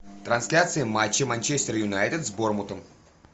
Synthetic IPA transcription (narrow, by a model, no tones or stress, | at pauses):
t̪ɾɐnsʲlʲat̪sɨɪmat͡ɕːɪmanʲt͡ɕesʲt̪ʲɪɾəjʊnajt̪ʲɪd̪zbormut̪əm